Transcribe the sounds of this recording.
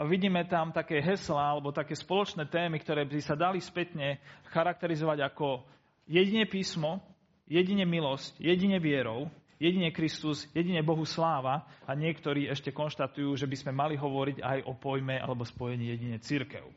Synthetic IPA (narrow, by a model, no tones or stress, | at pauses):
ʋiɟiːmɛt̪amt̪akɛːɦɛslaalɛbɔt̪akɛːspɔlɔt͡ʃnɛːt̪ɛːmikt̪ɔɾɛːbisad̪alispɛt̪ɲɛxaɾak̚t̪ɛɾizɔʋaɟakɔ | jɛɟiɲɛpiːsmɔ | jɛɟiɲɛmilɔscjɛɟiɲɛʋɪɛɾɔʊ | jɛɟiɲɛkɾist̪uzjɛɟiɲɛbɔɦuslaːʋaaɲɪɛkt̪ɔɾiːɛʃcɛkɔnʃt̪at̪ujuːʒɛbizmɛmaliɦɔʋɔɾiɟa̰jʔɔpɔjmɛʔa̰lɛbɔspɔjɛɲiːjɛɟiɲɛt͡siɾkɛ̰ʊ